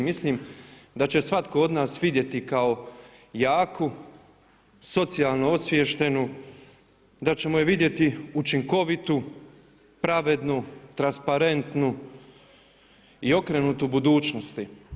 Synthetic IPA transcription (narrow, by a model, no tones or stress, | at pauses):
misliːmd̪at͡ɕe̞sʋat̪koo̞d̪naːsʋid̪je̞t̪ikao̞ | jaːku | so̞t̪sialˠnoosʋjeʃt̪e̞nu | d̪at͡ɕe̞mojeʋid̪je̞t̪iut͡ʃiŋko̞ʋit̪u | pɾaʋe̞d̪nut̪ɾanspaɾe̞nt̪nu | io̞kɾeːnut̪ubud̪uːt͡ʃnost̪i